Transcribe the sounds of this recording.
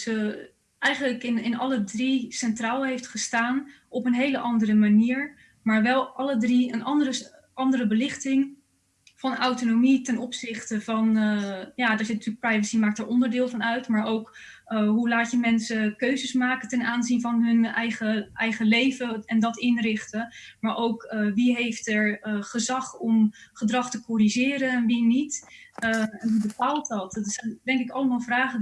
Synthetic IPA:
sə | ɛjχənləkɪnɪnɑlədrisɛntraːlˠɦejftχəstaːn | ɔpənɦejləʔɑndərəmaniːɹ | maːɹʋɛlˠʔɑlədriənʔɑndərə | ɑndərəbəlɪχtɪŋ | v̥ɑnawtonomitɛnɔpsɪχtəvɑnjaːdəːɹzɪntyːlək̚prɛjvəsimaːk̚təːɹɔndəɹdɪːlˠvɑnœɥtmaːɹowk | ɦulaːtjəmɛnsəkøɥzəsmaːkətɛnaːnzinvɑnɦɵnɛjχəʔɛjχəlejvəɛndɑtɪnrɪχtə | maːɹʔowkʋiɦejftɛɹχəzɑχɔmχədrɑχtəkɔɾiʒɪːɾənɛnʋinit | ɛnɦubəpaːlˠt̚dɑtsɛndɛŋkɪkɑləmaːlˠvraːχə

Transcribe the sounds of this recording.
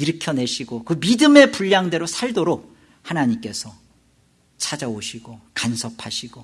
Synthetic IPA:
iɾɯkʰjʌne̞ɕʰiɡokɯmidɯme̞puʎːaŋdeɾosʰaɭdoɾok̚ | hanaɲimk͈e̞sʰʌ | t͡ɕʰad͡ʑaoɕʰiɡokansʰʌpʰaɕʰiɡo

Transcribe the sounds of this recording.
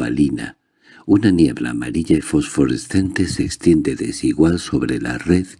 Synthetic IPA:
a̰lina̰ | unanje̞βla̰ːmaɾiʎaefo̞sfo̞ɾe̞st̪ent̪e̞sekst̪je̞nd̪e̞ðe̞siɣwalso̞βɾe̞la̰re̞ð

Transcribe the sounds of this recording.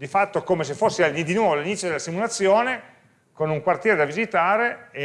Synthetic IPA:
d̪ifat̪ːokomes̬efːosːealid̪inwɔːvolalinit̪sjod̪elasimulat̪sːjoːne | konuŋkwart̪jɛːɾed̪avizit̪aːɾee

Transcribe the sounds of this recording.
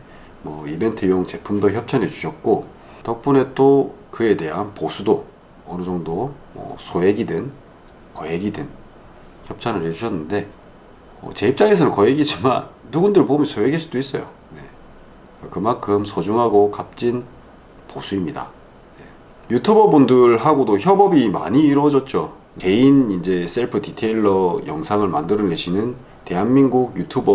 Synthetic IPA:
mwʌibe̞ntʰɯjoŋt͡ɕe̞pʰumdoçjʌp̚t͡ɕʰane̞d͡ʑuɕʰʌt̚k͈o | tʌk̚p͈une̞t͈okɯe̞de̞ɦanposʰudo | ʌnɯd͡ʑʌŋdo | mʌ̰sʰoɦe̞ɡidɯn | kʌɦe̞ɡidɯn | çjʌp̚t͡ɕʰanɯɾed͡ʑuɕʰʌnːɯnde̞ | ʌ̰t͡ɕe̞ip̚t͡ɕ͈aŋesʰʌnɯnkʌeɡid͡ʑimanːuɡundɯɭpomjʌnsʰoɦeɡiɭs͈udois͈ʌjo̰ | ne̞ | kɯmankʰɯmsʰʌd͡ʑuŋɦaɡokap̚t͡ɕ͈in | posʰuimɲida̰ | je̞ | jutʰubʌbundɯɭhaɡodoçjʌbʌbima̰ɲiːɾwʌd͡ʑʌt̚t͡ɕ͈o | e̞inind͡ʑe̞s͈e̞ɭpʰɯtitʰe̞iɭːʌjʌŋsʰaŋɯɭmandɯɾɯneɕʰinɯn | te̞ɦanminɡuɡjutʰubʌ

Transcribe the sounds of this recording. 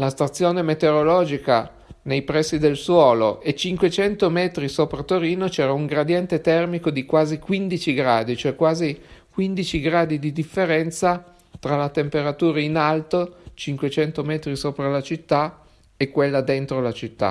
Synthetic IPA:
last̪at̪sːjoːnemet̪eɾolɔːd͡ʒika | nejpɾɛsːid̪elswɔːloʔet͡ʃiŋkwet͡ʃɛnt̪omɛːt̪ɾisoːpɾat̪oɾiːnot͡ʃɛːɾauŋɡɾad̪jɛnt̪et̪ɛrmikod̪ikwaːzikwind̪it͡ʃiɡɾaːd̪it͡ʃoɛkːwaːzikwind̪it͡ʃiɡɾaːd̪id̪id̪ifːeɾɛnt̪sa | t̪ɾalat̪empeɾat̪uːɾainalt̪ot͡ʃiŋkwet͡ʃɛnt̪omɛːt̪ɾisoːpɾalat͡ʃit̪ːa | ekːwelːad̪ent̪ɾolat͡ʃit̪ːa̰

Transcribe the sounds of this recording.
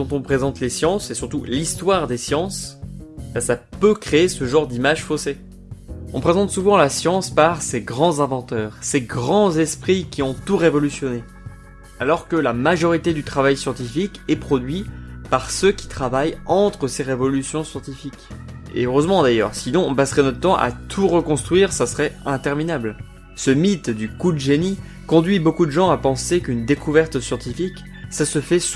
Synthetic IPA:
d̪̥ɔ̃t̪ɔ̃pχezɑ̃t̪lesjɑ̃sesyʁt̪ulist̪waʁd̪esjɑ̃s | bãsapøkχeːsəʒɑ̃ʁd̪imaʒfose | ɔ̃pχezɑ̃t̪suvɑ̃lasjɑ̃spaʁseɡʁɑ̃zɛ̃vɑ̃t̪œːʁseɡʁɑ̃zɛspχikʲiɔ̃t̪uʁevɔlysjɔne | alɔʁkəlamaʒɔʁit̪ed̪yt̪χavajsjɑ̃t̪ifikɛpχɔd̪ɥipaʁsøkʲi̥t̪χavajɑ̃t̪χəseʁevɔlysjɔ̃sjɑ̃t̪ifik | ḛøʁøzmɑ̃d̪ajœ̰ʁsinɔ̃ːpasʁɛnɔtt̪ːɑ̃ʔa̰t̪ʰuʁəkɔ̃st̪χɥiʁsasəʁɛɛ̃t̪ɛʁminabl | səmit̪d̪ykud̪əʒeni | kɔ̃d̪ɥibokud̪əʒɑ̃apɑ̃sekynd̪ekuvɛʁt̪sjɑ̃t̪ifik | sasəfɛs

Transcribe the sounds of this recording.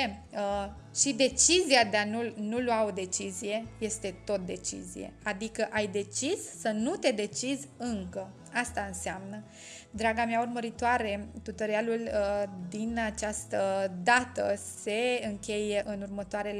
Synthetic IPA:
ʃid̪e̞t͡ʃiziad̪eanulnulwaod̪e̞t͡ʃizije̞je̞st̪e̞t̪o̞t̪̚d̪e̞t͡ʃḭzḭje̞̰ad̪ikəʔajd̪e̞t͡ʃisːənut̪e̞d̪e̞t͡ʃizʲɨŋkə | ast̪aɨnseamnə | d̪ɾaɡameaurməɾit̪oaɾe̞t̪ut̪əɾealuld̪inat͡ʃast̪əd̪at̪əse̞ɨŋkʲe̞je̞ʔɨnurmət̪oaɾe̞l

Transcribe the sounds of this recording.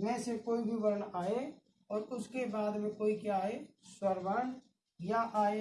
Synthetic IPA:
mɛ̃ːsekoːibʱibɐɾəɳaːe | ɔːɾʊskebaːd̪mẽkoːikjaːe | swəɾʋaːn | jaʔaːe

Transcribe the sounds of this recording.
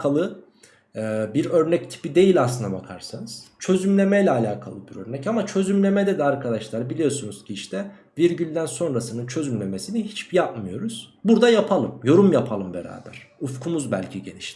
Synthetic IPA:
kʰalˠɯ | biɾø̞ɾnɛct̪ʰi̥pid̪e̞jilʲaslɯnd̪abakʰaɾsanɯz̥t͡ʃʰø̞zymlʲe̞mɛjlʲɛːlʲaːkʰalˠɯbiɾø̰ɾnɛcamat͡ʃʰø̞zymlʲe̞med̪ɛd̪ɛaɾkʰad̪aʃlˠaɾbilʲijo̞sunuz̥cʰiiʃt̪ʰɛ | viɾɟylʲd̪ænso̞nɾasɯnɯnt͡ʃʰø̞zymlʲe̞mesiniɦit͡ʃbijapmɯjo̞ɾuz̥buɾd̪ajapʰalˠɯmjo̞ɾumjapʰalˠɯmbeɾa̰ːbæ̰ɾ̥ | ufkʰumuzbælʲcʰiɟe̞̰niʃt̪ʲi̥

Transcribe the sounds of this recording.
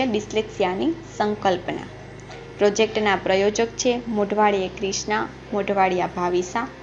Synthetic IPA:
ebisleksjanisəŋkəlpna̰ | pɾod͡ʒek̚ʈnapɾəjod͡ʒəkt͡ʃʰemoɖʱʋaɭijekɾiʃna | moɖʱʋaɽijabʱaʋisa

